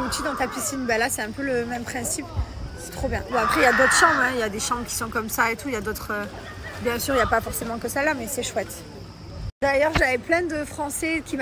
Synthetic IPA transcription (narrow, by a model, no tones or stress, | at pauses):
ut̪yd̪ɑ̃t̪apisinbɛlasɛɛ̃pøləmɛmpχɛ̃sipsɛ̥t̪χobjɛ̃uapχɛijad̪ot̪χəʃɑ̃bɛ̃iljad̪eʃɑ̃bkʲi̥sɔ̃kɔmsaet̪ujad̪ot̪χø | bjɛ̃syːʁiljapafɔʁsemɑ̃kəsalamɛsɛʃwɛt̪ | d̪ajœʁʒavɛplɛ̃d̪əfχɑ̃sɛkʲim